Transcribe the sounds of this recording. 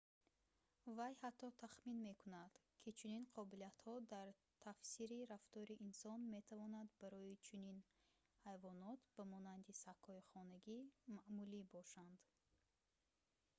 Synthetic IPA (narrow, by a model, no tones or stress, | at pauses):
vajhat̪ʰːɔt̪ʰaχminme̞kʰunad̪̥kʰit͡ʃʰuninqʰɔbiliat̪hɔd̪aɾ | t̪ʰafsiɾiɾaft̪ɔɾiʔinsɔnme̞t̪ʰavɔnad̪bæɾɔit͡ʃʰunin | hajvɔnɔt̪b̥æmɔnand̪isakhɔiχɔnæɡimaʔmulibɔʃand̪